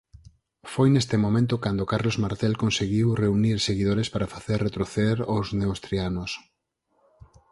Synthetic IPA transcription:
fojnest̪emõmẽnt̪̬ʊkand̪okaɾlozmaɾt̪elkonseɣiwreuniɾseɣiðoɾespaɾafaθeɾret̪ɾoθeeɾozneowst̪ɾianos

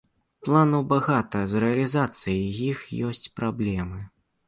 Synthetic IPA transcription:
plˠanuwbaɣat̪ɐzɾɛɐlʲizat̪sɨjijixjɔsʲt͡sʲpɾablʲɛmɨ

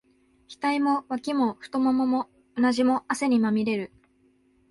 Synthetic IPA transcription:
çʲi̥t̪aimo̞βakʲimo̞ɸɯ̟̥t̪o̞momomo̞ | onaʑimo̞ase̞ɲ̟imamʲiɾe̞ɾɯ̟

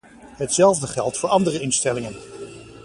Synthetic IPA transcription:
ɦətsɛlˠvdəχɛlˠtfʊːɹɑndərəɪnstɛlɪŋən

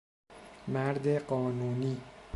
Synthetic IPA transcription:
mæɾd̪e̞ɢɒːnuːniː

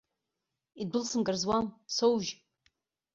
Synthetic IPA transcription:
idʊlsɨmɡɨrzwamsowʒ

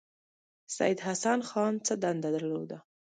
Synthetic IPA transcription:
sa̰jɪd̪ɦasanxɑnt͡səd̪and̪ad̪aɾlod̪a

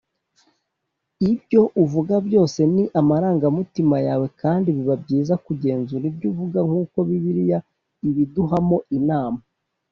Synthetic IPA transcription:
ibɟo̞ʔuvuɡabɟo̞ːse̞niʔamaɾaːŋɡamutimajaːwe̞kʰaːndiβiβab̚ɟiːzakuɟe̞ːnzuɾibɟuvuɡaŋ̥uːko̞βiβiɾija | iβiduɦamo̞ʔinaːma

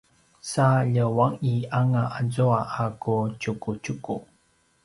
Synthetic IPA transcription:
saʎəwaŋiʔaŋaʔad͡zuaʔakut͡ɕukut͡ɕuku

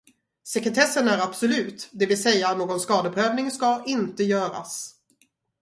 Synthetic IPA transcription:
sɛkɾɛt̪ʰɛsːənæɾab̥sɔlʉ̟ːt̪d̪ɛvɪlsɛjːanoːɡɔnskɑːd̪əpʰɾøːvnɪŋskaʔɪnt̪əjœːɾa̰s

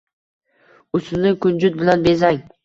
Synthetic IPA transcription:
ʊsʊnɪkʊnd͡ʒʊt̪̚bɪlanbe̞zaŋ

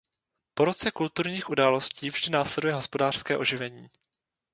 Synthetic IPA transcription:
po̞ɾot͡sɛkult̪uɾɲiːxʔudaːlo̞sciːvʒdɪnaːslɛdujɛɦo̞spo̞daːr̥skɛːʔo̞ʒɪvɛɲiː

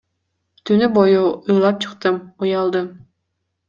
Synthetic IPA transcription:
t̪ʰynybojuujlˠɑp̚t͡ʃʰɯ̥̆qt̪ɯmujɑlˠd̪ɯm

